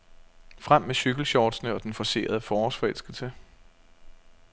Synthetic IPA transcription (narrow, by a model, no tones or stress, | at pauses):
fʁam̰ːeɕyɡ̥l̩ɕɒːd̥snəɒ̽d̥enfɒ̽se̝̰ːɐð̞ˠəfɒːɒsfɒel̰sɡ̥l̩sə